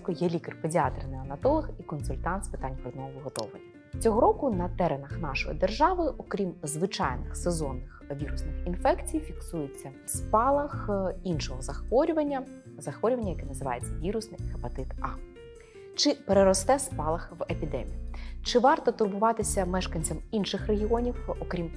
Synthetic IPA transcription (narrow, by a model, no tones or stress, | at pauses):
kɔjɛlʲikerpedʲiɑt̪ɾɪnɪɐnɐt̪ɔlˠɐxikɔnsʊlʲt̪ɑnt̪spɨt̪ɑnʲpɾɔd̪nɔɦɔʋɪɦɔt̪ɔ̰ʋɪ̰jʲɐ | t͡sʲɔɦɔɾɔkʊnɐt̪ɛɾenɐxnɑʃɔjḭd̪erʒɑʋɪʔɔkɾʲimzʋɪt͡ʃɑjnɪxsezɔnːɪxʋʲiɾʊsnɪxinfɛkt͡sʲijfʲiksujet͡sʲːɐ | spɑlˠɐxinʃɔɦɔzɐxʋɔɾʲʊʋɐnʲːɐ | zɐxʋɔɾʲʊʋɐnʲːɐjɐkɛnɐzɪʋɑ̰jet͡sʲːɐʋʲiɾʊsnɪjhɐpɐt̪ɪt̪ɑ | t͡ʃɪpeɾeɾɔst̪ɛspɑlˠɐxʋepʲid̪ɛ̰mʲijit͡ʃɪʋɑrt̪ɔt̪ʊrbʊʋɑt̪ɪsʲɐmɛʃkɐnʲt͡sʲɐminʃɪxreɦʲiɔnʲiwɔkɾʲim